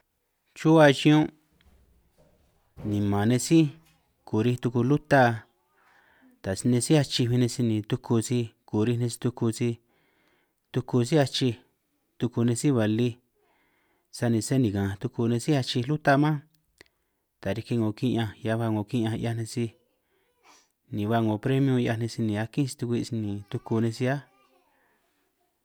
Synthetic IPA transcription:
t͡ʃu˦a˧t͡ʃĩ˧˦ũ˦ | nĩ˨mã˨nẽ˧si˦ | ku˨ɾi˧t̪u˧ku˧lu˦t̪a˦˧ | t̪a˨snẽ˧si˦a˧t͡ʃi˧βi˧nẽ˧si˧nĩ˨t̪u˧kʰu˧si˧ku˨ɾi˧nẽ˧si̥˧t̪u˧ku˧si˧ | t̪u˧ku˧si˦a˧t͡ʃi˧ | t̪u˧ku˧nẽ˧si˦βa˨li˧ | sa˧nĩ˧se˦nĩ˨kã˨t̪u˧ku˧nẽ˧si˦a˧t͡ʃi˧lu˦t̪a˦mã˦ | t̪a˨ɾi˧ki˧ŋõ˨kĩ˧˦ʔã˧ja˧βa˧ŋõ˨kĩ˧˦ʔã˧ja˧nẽ˧si˧ | nĩ˨βa˧ŋõ˨pɾe˦mĩ˧˦õ˧ja˧nẽ˧si˧nĩ˨˧a˧kĩ˦si̥˧t̪u˧kʷi˧i˧nĩ˨t̪u˧ku˧nẽ˧si˧a˦

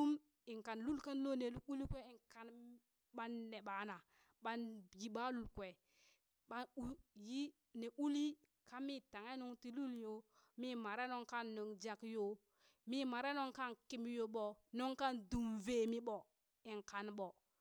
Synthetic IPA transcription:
u˦m | i˨ŋka˨nlu˦lka˦nlo˦ne˨lu˦u˦li˦kwe˦i˨ŋka˨n | ɓa˦nːe˨ɓa˨na˨ | ɓa˦nji˨ɓa˦lu˨lkwe˨ | ɓa˦u˦ji˦ | ne˨ʔu˦li˦ | ka˦mi˦ta˨ŋa˦nu˦ŋti˦lu˦ljo˦ | mi˦ma˨ɾe˦no˦ŋka˦nːo˨ŋd͡ʒa˦˨kjo˦ | mi˦ma˨ɾe˦no˦ŋka˦nki˦m˦jo˨ɓo˨no˦ŋka˦ndu˨mve˨mi˦ɓɔ˨ | i˨ŋka˨nɓɔ˨

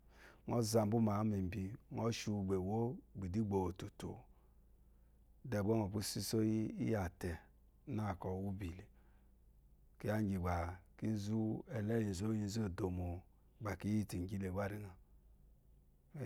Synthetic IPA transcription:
ŋɔ˦za˧m˦bu˦ma˨˦mi˨m˨bi˧˦ŋɔ˦ʃu˧˨ɡ͡be˨wo˦ɡ͡bi˨di˦ɡ͡bo˨wo˨tu˨to̰˨˦ | dɛ˨bɔ˦ŋɔ˨pu˦si˦so˦ji˦ḭ˦ja˨tɛ˨ | na˦˨kɔ˨wu˦bi˨li˨ | ki˦a˦d͡ʒi˨ɡ͡ba˨ki˦zu˦ɛ˨lɛ˦ji˨zo˦ji˦˧˦zo˦˨do˨mo˨ | ɡ͡ba˨ki˦ji˦ti˨ɡi˦le˨ɡ͡ba˦ɾi˦ŋa˨˦

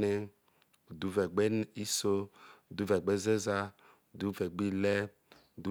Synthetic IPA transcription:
ne˦ | u˨du˨˦vɛ˨ɡ͡be˦ni˦so˦˨du˨˦vɛ˨ɡ͡be˦ze˦za˦ | o˨du˨˦vɛ˨ɡ͡bi˦le˦˨ | du˨˦

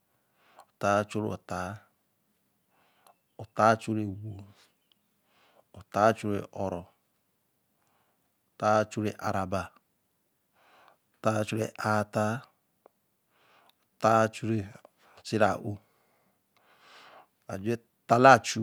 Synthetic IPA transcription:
o˨ta˨˦t͡ʃo˦ɾo̰˨ta˨˦ | o˨ta˦t͡ʃu˦ɾe˨wo˨ | o˨ta˨˦t͡ʃu˦ɾḛ˨ʔɔ˨ɾɔ˨ | o˨ta˦t͡ʃu˦ɾe˨ʔa̰˨ɾa˨ba˨ | o˨ta˦t͡ʃu˦ɾḛ˨ʔa˨ta˦ | o˨ta˦t͡ʃu˦ɾe˨ | t͡ʃi˦ɾa̰˨ʔo˨ | a˨d͡ʒe˦ | ta˦la˦˨t͡ʃu˦˨

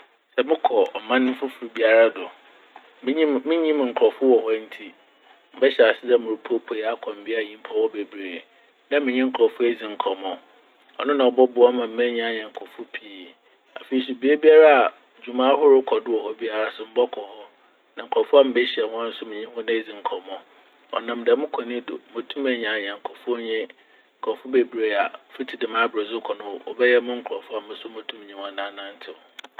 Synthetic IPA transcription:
sɛ˨mɪ̃˦kʰɔ˨ɔ˨mã˦nʊ̃˦m̩˦fʊ˦fu˨ɾu˨bi˦a˨ɾa˦dʊ˨ | m˦ɲ˦mɪ̃˦ɲĩ˦m˨ŋ̩˨kʰɔ˨fʊ˦wɔ˨hɔ˦n̩˦tʰi˦ | m̩˦bɛ˦ɕɛ˨a˨sɪ˦da˦mʊ̃˨ɾu˨pʰo˦pʰo˨ja˦kʰɔ̃˨m̩˨bɪ˦a˦˨ɲĩ˦m˦pʰa˦wɔ˦be˨bɾeː˨ | nã˦mɪ̃˨ɲĩ˦ŋ̩˨kʰɾɔ˨fʊ˦æ˦d͡zĩ˨ŋ̩˨kʰɔ˨mɔ̃˦ | ɔ̰˨nʊ̃˦nã˨ɔ˨bɔ˦bʊ˨˦a˦mã˨m̩˦mɛ̃˦ɲ̃˦a˦ɲɛ̃˨ŋ̩˨kʰɔ˨fʊ˦pʰi˦˨ | a̰˨fe˨i˨si˨bi˦e˦bi˦a˦ɾa˦a˨ | d͡ʑu˨mã˦hʊ˦ɾʊ˦kʰɔ˨dʊ˦ɔ˨hɔ˦bi˦a˨ɾa˦sʊ˨m̩˦bɔ˦kʰɔ˨hɔ˦ | nã˨ŋ̩˨kʰɔ˨fʊ˦a˦m̩˨be˦ɕi˨ɛ˨wɔ̃˦n̩˦sʊ˦mɪ̃˨ɲĩ˦hʊ̃˦nã˦e˦d͡zĩ˨ŋ̩˨kʰɔ˨mɔ̃˦ | ɔ̰˨nã˨mdɛ˨mʊ̃˦kʰɔ˨nĩ˦dʊ̰˨mõ˨tʰũ˦mɛ̃˨ɲ˨ã˨ɲ˨ɛ̃˨ŋ̩˨kʰɔ˨fɲɛ̃˦ | ŋ̩˨kʰɔ˨fʊ˦be˨bɾe˨a˨fi˦tʰi˨dɪ˨mã˦bɾe˨zʊ˦kʰɔ˨nʊ̃˦wʊ˦˨ɔ̰˨bɛ˦jɛ˦mʊ̃˦ŋ̩˦kʰʊ˨ɾɔ˨fʊ˦a˨ɪ̃˨sʊ˦mɔ̃˨tʰũ˦m̃˨ɲĩ˦hʊ̃˦a˨nã˦nã˦n˦tʰɪ˨ʊ˨

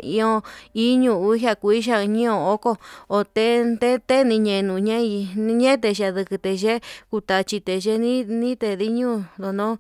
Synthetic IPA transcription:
ĩ˧õ˧i˦ɲũ˧u˧˦ɦja˧ku˧i˦ʃa˦˧ɲĩ˦õ˧˨o˦ko˦o˧t̪e˦nt̪e˦t̪e˦nĩ˧ɲẽ˧nũ˧ɲẽ˦i˧ɲẽ˦t̪̬e˧ʃa˧ðɨ˧kɨ˧t̪e˧ʒe˦ku˧t̪a˧t͡ʃi˧t̪e˨ʒe˦nĩ˦nĩ˦t̪e˧ði˦ɲũ˦d̪o˧nõ˦

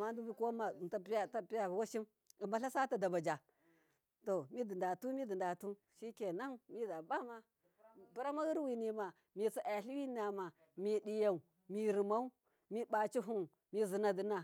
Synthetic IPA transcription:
ma˦n˦du˦bi˦ko˦ma˨ta˦pi˦ja˦ta˦˨pi˦ja˦˨bwa˦ʃi˦m | i˨ma˦ɬa˦sa˦ta˨da˨ba˨d͡ʒa˨ | to˨mi˦di˨nda˨tu˦mi˦di˨nda˨tu˦ | ʃi˦ke˨na˦ŋmi˦da˨ba˦ma˦˨ | bu˦ɾa˦ma˦ɣi˦ɾwi˨ni˨ma˨ | mi˨t͡si˨ʔa˨ɬi˦wi˦na˨ma˨ | mi˨di˨ja˨u˨ | mi˨ɾi˨ma˦u˦ | mi˦ba˨t͡ʃi˦ɦu˦ŋ | mi˦zi˨na˨di˨na˨

